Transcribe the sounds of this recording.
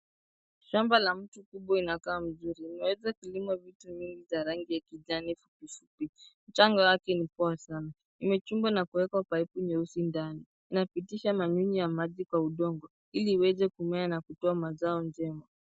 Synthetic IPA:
ʃambalam̩tukuɓwainakaːm̩zuɾiːmɛwɛzakulimwavituɲiŋɡizaɾaŋɡijakiʄanifupifupim̩t͡ʃaŋɡawakɛnipɔasana | imɛt͡ʃumbwanakuwɛkapaipuɲɛusindaniːnapitiʃamaɲuɲijamaʄikwauɗɔŋɡɔ | iliːwɛzɛkumɛanakutɔamazaɔnd͡ʒɛma

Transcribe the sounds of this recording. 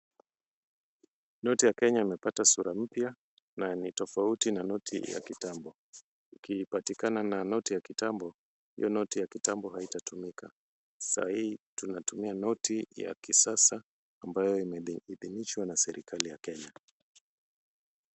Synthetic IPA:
nɔtijakɛɲaimɛpatasuɾam̩pja | nanitɔfautinanɔtʰḭja̰kitambɔ | ukipatikanananɔtijakitambɔ | hḭjɔnɔtijakitambɔhaitatumika | sa̰hihitunatumianɔtija̰kisasaː | mbajɔiiðiniʃwanasɛɾʔikʰalijakɛɲa

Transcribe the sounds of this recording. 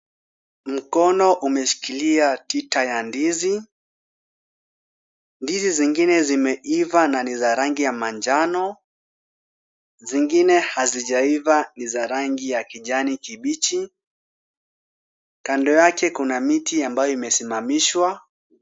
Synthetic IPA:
m̩kɔnɔʔumɛʃi̥kiliatitajandizi | ndiziziŋɡinɛzimɛʔivananizaɾaŋɡijamaɲd͡ʒanɔ | ziŋɡinɛhaziʄaivanizaɾaŋɡijakiʄanikiɓit͡ʃi | kandɔjakɛkunamitiambajɔimɛsimamiʃwa

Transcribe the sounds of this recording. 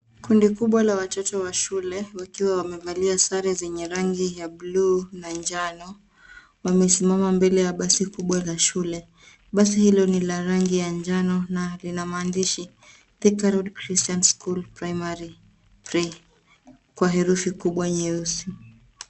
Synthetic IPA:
kundikuɓwalawat͡ʃɔtɔwaʃulɛwakiwawamɛvaliasaɾizɛɲɛɾaŋɡijaɓlunand͡ʒanɔ | wamɛsimamambɛlɛjaɓasikuɓwalaʃulɛ | ɓas̬ihilɔnilaɾaŋɡijaɲd͡ʒanɔnalinamaːndiʃi | θikaɾɔdkɾistanskulpɾajmaɾi | pɾi | kwaɦɛɾufikuɓwaɲɛusi

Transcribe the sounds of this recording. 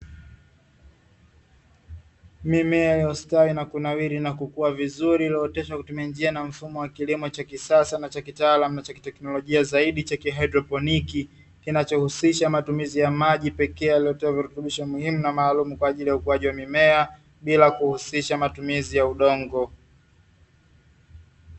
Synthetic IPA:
mimɛajaustawinakunawiɾinakukuwavizuɾiliɔtɛʃakutumiand͡ʒianam̩fumɔwakilimɔt͡ʃakisasanat͡ʃakitaaːlamunat͡ʃaki̥tɛknɔlɔʄiazaiɗit͡ʃakiɦadɾɔpɔniki | kinat͡ʃɔhusiʃamatumizijamaʄipɛkɛjalijɔtɛaviɾutuɓiʃɔmuhimunamaːlumukwaːʄilijaukuwaʄiwamimɛa | ɓilakuhusiʃamatumizijauɗɔŋɡɔ

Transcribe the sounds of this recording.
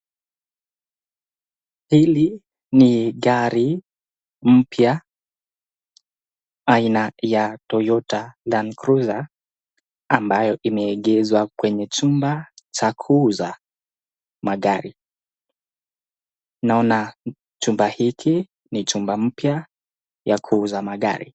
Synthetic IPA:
hili | niɠaɾi | m̩pja | ainajatɔjɔtalankɾuza | mbajɔʔimɛːɠɛzwakwɛɲɛt͡ʃumbat͡ʃakʰuuza | maɠaɾi | naɔna | t͡ʃumbahikʰi | nit͡ʃumbam̩pja | jakʰuuzamaɠa̰ɾḭ

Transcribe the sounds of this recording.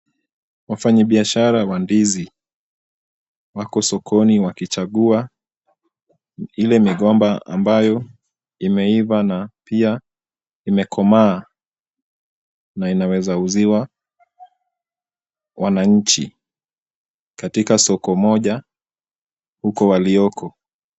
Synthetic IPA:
wafaɲaɓiaʃaɾawandizi | wakɔsɔkʰɔniwakit͡ʃaɠua | ilɛmiɠɔmbaa̰mbajɔ | imɛivanapia | imɛkʰɔmaː | nainawɛzauziwa | wʔanaɲ̩t͡ʃḭ | katikasɔkɔmɔʄa | hukɔwaliɔkʰɔ

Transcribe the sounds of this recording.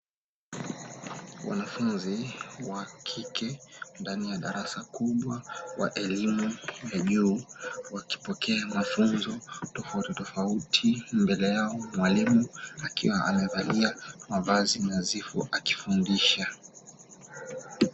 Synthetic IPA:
wʔa̰nafunziwakʰikʰɛndanijaɗaɾasakuɓwawa̰ʔɛlimujaʄuːwaki̥pɔkɛamafunzɔtɔfautitɔfautʰimbɛlɛjaɔmwalimuakiwaʔa̰mɛvaliamavazinazifɔ̰ʔaki̥fundiʃa

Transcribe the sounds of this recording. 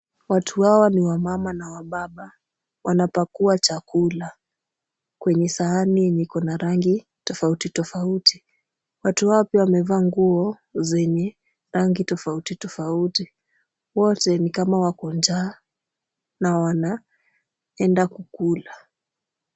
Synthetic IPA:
watʰuwawɔniwamamanawaɓaɓa | wanapakuat͡ʃakula | kwɛɲɛsaaninikɔnaɾaŋɡi | tɔfautitɔfauti | watuhaɔpiawamɛvaːŋɡuɔ | zɛɲɛ | ɾaŋɡitɔfautitɔfauti | wɔtɛnikamawakɔnd͡ʒaː | nawana | ɛndakukula

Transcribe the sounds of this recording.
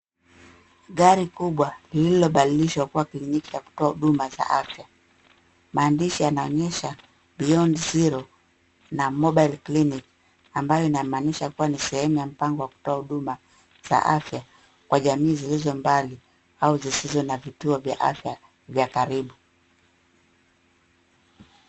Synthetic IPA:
ɠaɾikuɓwalililɔɓaliliʃwakuwakiɲiɲiki̥t͡ʃaku̥tɔahuɗumaza̰ʔafja | maːndiʃijanaɔɲɛʃa | ɓiɔnziɾɔ | namɔɓajlklinik | ambajɔinamaːniʃakuwanisɛhɛmujam̩paŋɡɔwaku̥tɔahuɗuma | z̥a̰ʔafja | kwaʄamiːzilizɔmbali | auzisizɔnavituɔvja̰ʔa̰fja | vjakaɾiɓu

